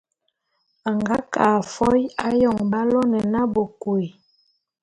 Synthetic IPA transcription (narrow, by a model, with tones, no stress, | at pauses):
a˨ŋɡa˦ka˨fɔ˦ja˦jɔ˦˨ŋba˦lɔ˦nɛ˨na˦bo˨kwe˨